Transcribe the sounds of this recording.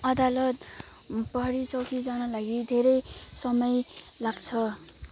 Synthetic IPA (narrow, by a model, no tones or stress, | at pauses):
ʌd̪alʌt̪̚ | pʌɦʌɾit͡sʌwkid͡zanʌlaɡid̪ʱeɾʌjsʌmʌj | laɡt͡sʰʌ